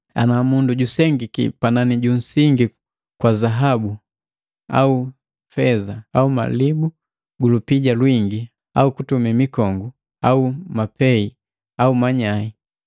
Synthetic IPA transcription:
a̰namunduɟusɛŋɡikḭpananiɟun̩siŋɡi | kwazaɦabu | a̰u | fɛzaauma̰libu | ɡulupiɟalwiŋɡi | a̰ukutumimikɔŋɡu | aumapɛi | aumaɲai

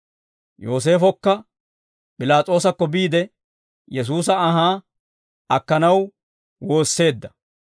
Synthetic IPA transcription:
jo̞ːs̬e̞ːfɔkːɐ | pʼɪlaːt͡sʼo̞ːs̬ɐkːɔbiːd̪ɛ | jɛs̬uːs̬ɐɐɦaː | ɐkːɐnɐw | wo̞ːsːe̞ːd̪ːɐ

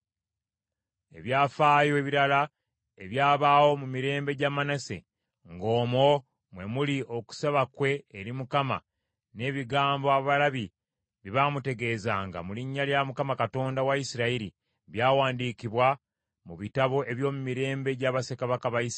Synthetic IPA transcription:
e̞̰βjaːfaːjo̞eβiɾala | eβjaːβaːwo̞mumiɾe̞ːmbe̞ɟamanase̞̰ | ŋɡo̞ːmo̞ | mwe̞muliʔo̞ku̥saβakwe̞ːɾimukama̰ | ne̞ːβiɡaːmboaβalaβi | βiβamute̞ɡe̞ːzaːŋɡa̰muliɲːaljamukamakato̞ːndawaisiɾaiɾi | βjaːwaːndiːkiβwa | muβitaβo̞ʔe̞βjo̞ːmumiɾe̞ːmbe̞ɟaːβasekaβakaβais

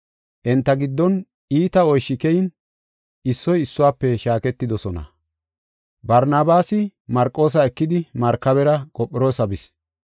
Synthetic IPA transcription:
ʔɛnt̪ːɐɡɪd̪ːɔn | iːt̪ɐɔjʃːɪkɛjɪn | ɪsːɔjɪsːʊwaːpːɛʃaːkɛt̪ːɪd̪ɔsɔnɐ̰ | bɐɾnaːbaːsɪmɐɾkʼːo̞ːs̬ɐɛkːɪd̪ɪmɐɾkːɐβɛɾɐkʼɔpʼːɪɾoːsɐbɪs

